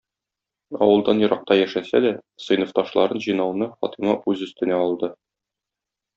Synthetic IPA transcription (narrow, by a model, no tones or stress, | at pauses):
ɒ̰wɤ̆lˠd̪ɑnjɤ̆ɾɑq̚t̪ɑjæʃæsæ̰d̪æsɤ̆jnŏft̪ɑʃlˠɑɾɤnʑɤ̆jnɑwnɤχɒt̪imɑʔʉzɵ̆st̪ɘ̆næɒlˠd̪ɤ